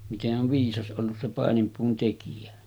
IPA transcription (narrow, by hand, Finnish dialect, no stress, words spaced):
miteʔ ʔoʋ ʋiːsɑs ʔolːus se pɑˑenimpuːn tekijæ